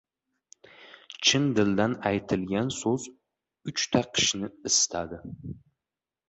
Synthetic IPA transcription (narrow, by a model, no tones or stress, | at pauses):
t͡ʃʰɪnd̪ɪld̪anajt̪ʰɪlɡʲansɵz | ʊt͡ʃt̪ʰaqʰɨ̥ʃnɪɪst̪ʰad̪ɪ